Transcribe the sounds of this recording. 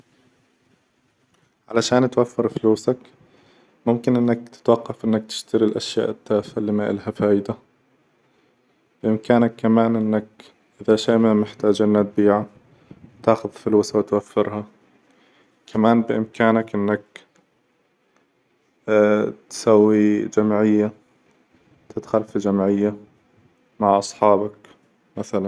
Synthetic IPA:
ʕalaʃaːnt̪wafːɪɾfluːsak | mʊmkɪnʔɪnːak̚t̪ɪ̥t̪wɑqːɑfʔɪnːak̚t̪ɪ̥ʃt̪aɾilʔaʃja̰ːʔɪt̪ːaːfaliːmaʔɪ̰lhafaːjɪd̪a | b̥ɪʔɪmkaːnakːamaːnʔɪnːak̚ | ʔɪðaʃaːmanmɪħt̪aːd͡ʒʔɪnːat̪̚biːʕa | t̪aːxʊðfɪluːsawt̪wafːɪɾha | kʰamaːnbɪʔɪmkaːnakʔɪnːak | t̪sawːid͡ʒamʕɪjːa | t̪ɪt̪xalfid͡ʒamʕɪjːa | maʕʔɑsˤħɑːbak | maθalan

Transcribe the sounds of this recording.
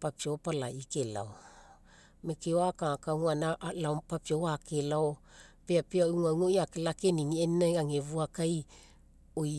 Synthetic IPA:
papiopala̰ʔikela̰o | mekeoakakawŋanalaopapioakelao | peapeauŋawŋojakelakeniniennajaŋevuakaj | oj

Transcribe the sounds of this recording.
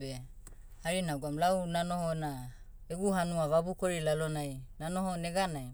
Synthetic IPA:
behaɾinaɡuamlawnanohonaeɡuɦanuaβabukoɾilalonajnanohoneɡanaj

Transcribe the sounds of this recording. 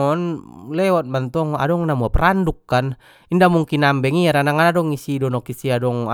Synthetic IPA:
ɔnlɛwɔt̪̚mant̪ɔŋa̰dɔŋnamuapɾandukːan | indamuŋkinambɛŋiaɾanaŋadɔŋisidɔnɔkisiadɔŋa

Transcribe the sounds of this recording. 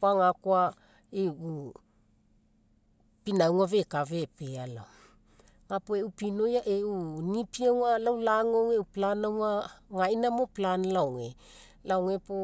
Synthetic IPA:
paŋakoa | eu | pinawŋave̞kave̞peala̰ | ŋapoeupino̞jaʔeunipiaŋalawlaŋoŋeuplanawŋaŋainamoplanlawŋe | lawŋepo

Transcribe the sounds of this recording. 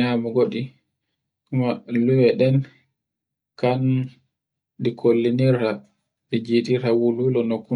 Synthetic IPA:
amuɡoɗi | kumaluwɛɗɛn | kan | dikʰolːiniɾa | did͡ʒitiɾawululɔnokːu

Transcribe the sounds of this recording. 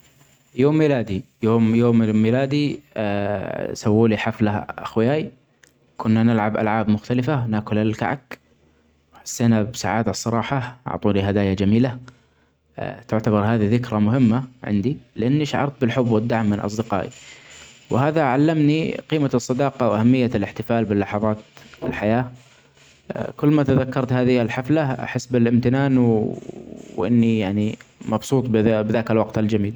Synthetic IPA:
joːmːiːlaːd̪ijoːmjoːmmiːlaːd̪i | sawːuːliħaflaʔa̰xwɪjaːj | kʰʊnːanɪlʕabʔa̰lʕaːbmʊxt̪alɪfawnaːkʊlalka̰ʕa̰k | wħḁsːeːnabsaʕaːd̪asˤːɑɾˤɑːħɑʔɑ̰ʕt̪ˤuːliɦad̪aːjad͡ʒamiːla | t̪ʊʕt̪abɑɾˤhaːðiðɪkɾamʊɦɪmːaʕɪ̰nd̪ilɪʔanːiʃaʕɑ̰ɾˤt̪̚bɪlħʊbːwɪd̪ːaʕmːɪnʔɑ̰sˤd̪ɪqɑ̰ːʔḭ | wɦaːðaʕalːamniqiːmasˤːɑd̪ɑːqɑwʔahamːɪjːalɪħt̪ɪfaːlbɪlːɑħɑðˤɑːt̪ɪ̰lħajaː | kʊlːmat̪aðakːɑɾˤt̪haːðɪalħaflaʔa̰ħɪsːbɪlʔɪmt̪ɪnaːnw | wʔɪnːijaʕnimɑbsˤuːt̪ˤbbðaːkalwɑqt̪ɪld͡ʒamiːl

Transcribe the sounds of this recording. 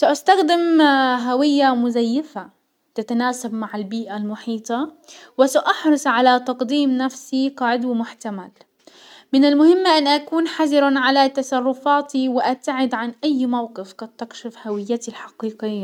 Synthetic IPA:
saʔast̪axd̪ɪmɦawɪjːamʊzajːɪfa | t̪at̪anaːsabmaʕɪlbiːʔalmʊħiːt̪ˤɑ | wɪsaʔɑħɾˤʊsˤʕalat̪ɑqd̪iːmnafsiqɑʕɪd̪wɪmʊħt̪amal | mɪnalmʊhɪmːaʔanːʔakuːnħazɪɾaʕalat̪ɑsˤɑrˤːʊfaːt̪iwɪʔab̚t̪ːaʕɪd̪ʕanʔajːmawqɨfqɑd̪t̪ːɪkʃɪfhawɪjːat̪ilħɑqiːqɪjjːa

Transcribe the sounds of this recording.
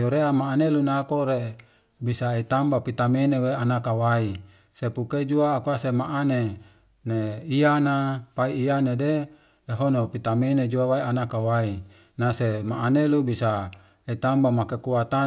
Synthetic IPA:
joɾeamaːnelunakoɾe | bisaet̪ambapit̪ameneweanakawai | sepuked͡ʒuaːkuasemaʔane | neianapaiːanedeː | ɦonopit̪amened͡ʒuawaianakawai | nasemaʔːnelubisa | et̪ambamakekuat̪a

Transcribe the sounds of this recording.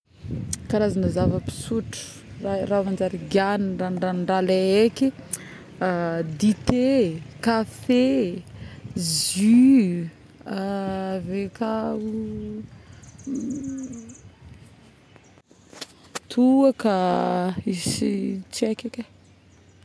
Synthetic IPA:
kaɾazanazavəpi̥suʈ͡ʂə̥ | raravand͡ʒaɾiɡjaniranranɳɖ͡ʐaleeki | d̪it̪ekafe | zy | avekau | t̪ʰuaka | isit͡ʃekake

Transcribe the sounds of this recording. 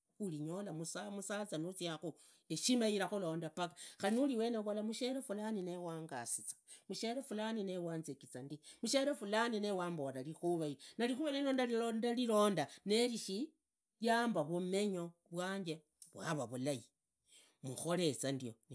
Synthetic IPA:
uliɲo̞lamusamusat͡sanut͡siaxu | eʃimaiɾaxulo̞ːndapakaxalinuliwe̞ːneβolamuʃeɾefulaninewaːŋɡa̰sit͡sḁmuʃeɾefulaninewaːnzekit͡sandimuʃeɾefulaninewaːmbolalixuβainalixuβeleloːndalilondalilo̞ːndane̞liʃi | jaːmbaβume̞ɲo̞βwaːɲd͡ʒe | βwa̰βaβulaji | muxo̞le̞t͡sandion

